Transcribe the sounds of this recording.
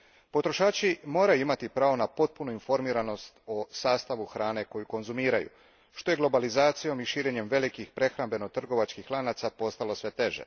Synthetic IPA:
po̞t̪ɾo̞ʃaːt͡ʃimo̞ːɾajuimat̪ipɾaːʋo̞napo̞t̪̚punuinfo̞ɾmiːɾano̞st̪o̞saːst̪aʋuxɾaːne̞ko̞juko̞nzumiːɾajṵ | ʃt̪o̞jeɡlˠo̞balizaːt̪sijo̞miʃiːɾe̞ɲe̞mʋe̞likixpɾe̞xɾambe̞not̪r̩ɡo̞ʋat͡ʃkixlˠanat̪sapo̞st̪alo̞sʋe̞t̪e̞ʒḛ

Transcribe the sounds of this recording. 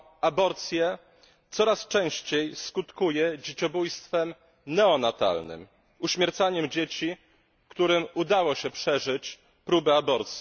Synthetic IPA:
abɔɾt̪sʲjɛ | t̪sɔɾast͡ʂɛ̃w̃ɕt͡ɕejskut̪kujɛd͡ʑet͡ɕɔbujst̪fɛm | nɛɔnat̪a̰lnɘ̰m | uɕmʲjɛɾt̪saɲɛmd͡ʑet͡ɕi | kt̪uɾɘmud̪awɔɕɛpʂɛʐɘt͡ɕ | pɾubɛabɔɾt̪sʲji

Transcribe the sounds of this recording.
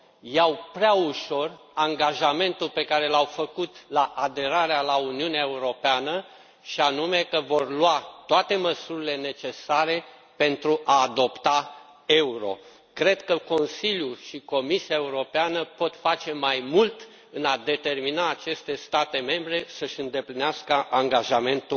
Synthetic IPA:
jawpɾeauʃo̞r | aŋɡaʒame̞nt̪ulpe̞kaɾe̞lawfəkut̪laʔad̪e̞ɾaɾealauniuneae̞uɾo̞peanə | ʃianume̞kəvo̞rlwat̪oat̪e̞məsuɾile̞ne̞t͡ʃe̞saɾe̞ | pe̞nt̪ɾuʔaːd̪o̞pt̪a | e̞uɾo̞̰ | kɾe̞d̪kəko̞nsiljuʃiko̞misiaeuɾo̞peanəpo̞t̪fat͡ʃe̞majmult̪ | ɨnad̪e̞t̪e̞rminaːt͡ʃe̞st̪e̞st̪at̪e̞me̞mbɾe̞səʃʲɨnd̪e̞plineaskəʔaŋɡaʒame̞nt̪u

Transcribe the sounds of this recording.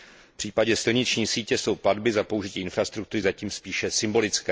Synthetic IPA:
pr̥iːpaɟɛsɪlɲɪt͡ʃɲiːsiːcɛso̞wpladbɪzapo̞uʒɪciːʔɪnfɾast̪ɾukt̪uɾɪzaciːmspiːʃɛsɪmbo̞lɪt͡skɛː

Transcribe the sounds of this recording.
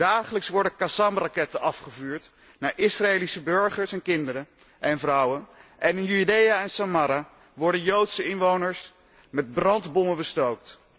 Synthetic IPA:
daːχələksʋɔɹdəkasɑmrɑkɛtənʔɑfχəvuːɹt | naːɹʔɪsraeːlisəbøɹχəɹsɛnkɪndəɾə | ʔɛnvrʌwənʔɛnɪnjydejaɛnsamaːɾa | ʋɔɹdənjowtsəɪnʋownəɹs | mɛd̚brɑndbɔməbəstowk̚t

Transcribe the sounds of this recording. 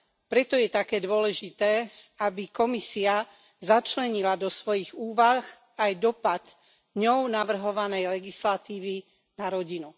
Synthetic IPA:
pɾɛt̪ɔjɛt̪akɛːd̪ʊɔlɛʒit̪ɛːabikɔmisia | zat͡ʃlɛɲilad̪ɔsʋɔjiɣuːʋax | ajd̪ɔpad̪ | ɲɔʊnaʋr̩ɦɔʋanɛjlɛɡislat̪iːʋi | naɾɔɟinu

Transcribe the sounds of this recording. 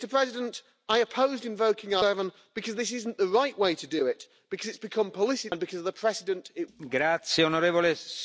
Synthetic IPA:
təpʰɹ̥ɛzɪdə̃nt | aɪɨpʰoʊzdɨ̃ɱvoʊkɪ̃ŋəvə̃n | b̥ɨkʰʌzðɪsɪzn̩ðəɹaɪʔweɪtʰɨdɨɪt | b̥ɨkʰʌzɨtsb̥ɨkʰʌ̃mpʰəlɪsɨ̃nbɨkʰʌzʌðəpʰɹ̥ɛsɪdɨ̃ntɪtɡɾat̪sjeonoɾevole

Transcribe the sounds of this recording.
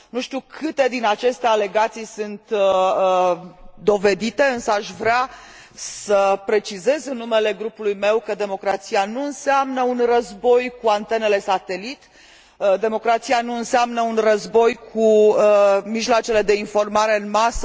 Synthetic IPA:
nuʃt̪iukʰɨt̪e̞d̪inat͡ʃe̞st̪eale̞ɡat̪sijsɨnt̪ə | d̪o̞ve̞d̪it̪e̞ɨnsəaʃvɾea | səpɾe̞t͡ʃize̞zɨnːume̞le̞ɡɾupulujme̞wkəd̪e̞mo̞kɾat̪sianuɨnseamnəunrəzbo̞jkuant̪e̞ne̞le̞sat̪e̞lit̪ | d̪e̞mo̞kɾat̪sianuɨnseamnəunrəzbo̞jkʰu | miʒlat͡ʃe̞le̞d̪e̞info̞rmaɾe̞ɨnmasə

